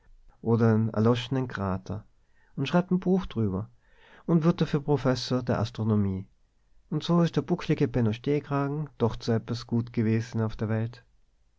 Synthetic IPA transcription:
ʔoːdɐɪnɛ̰ɐlɔʃənənkʁ̥aːtʰɐ | ʊntʃʁ̥aɪp̚tn̩buːxd̥ʁyːbɐ | ʊntv̥ɪɐt̚d̥aɐfyːɐpʁ̥ofɛsoːɐdeːɐʔa̰stʁ̥onomiː | ʊntz̥oːɪstd̥eːɐb̥ʊklɪɡəpʰɛnoʃteːɡʁ̥aːɡŋ̩d̥ɔχtz̥oːɛtv̥asɡ̥uːtɡ̥əveːzn̩aʊfd̥eːɐvɛlt

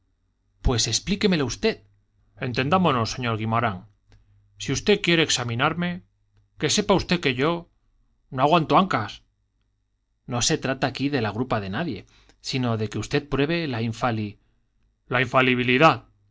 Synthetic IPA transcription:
pwe̞se̞ksplike̞me̞laust̪e̞ð | e̞nt̪e̞nd̪amo̞no̞sːe̞ɲo̞ɾɣimoɾaŋ | siust̪e̞ðkje̞ɾeːksamĩnaɾme̞ | ke̞se̞paust̪e̞ðke̞ʝo̞ | no̞aɣwant̪oaŋkas | no̞se̞t̪ɾat̪aːkiðe̞laɣ̞ɾupaðe̞naðje̞ | sino̞ðe̞ke̞ust̪e̞ðpɾwe̞β̞e̞laiɱfali | laiɱfaliβ̞iliðað

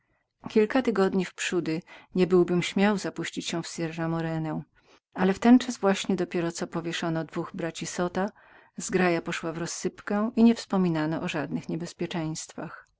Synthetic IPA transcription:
kʲilkat̪ɘɡɔd̪ɲifpʂud̪ɘɲɛbɘwbɘmɕmʲjawzapuɕt͡ɕit͡ɕɕɛ̃fsʲɛɾːamɔɾɛnɛ | alɛft̪ɛnt͡ʂazvwaɕɲɛd̪ɔpʲjɛɾɔt̪sɔpɔvʲjɛʂɔnɔd̪vuɣbɾat͡ɕisɔt̪a | zɡɾajapɔʂwavɾɔsːɘpkɛ̃ʔiɲɛfspɔmʲinanɔʔɔʐad̪nɘxɲɛbɛspʲjɛt͡ʂɛ̃j̃st̪fax

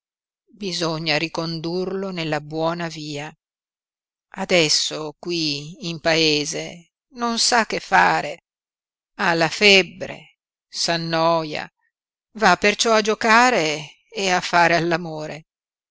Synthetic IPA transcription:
bizoɲːaɾikond̪urlonelːabwɔːnaviːa | ad̪ɛsːokwiːmpaeːzḛ | nonsakːefːaːɾe | alːafɛbːɾḛ | sanːɔja̰ | vapːert͡ʃɔad͡ʒokaːɾeː | afːaːɾealːamoːɾe

